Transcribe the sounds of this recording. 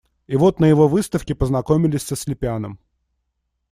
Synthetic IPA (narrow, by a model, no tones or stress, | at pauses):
ɪvo̞t̪nəjɪvo̞vɨst̪əfkʲɪpəznɐko̞mʲɪlʲɪsʲsəsʲlʲɪpʲɪanəm